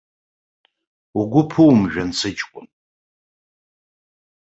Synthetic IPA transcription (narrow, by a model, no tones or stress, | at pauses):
uɡʷʊpʰuwmʒᶣant͡sʰɨt͡ʃʼkʷʼʊ̰m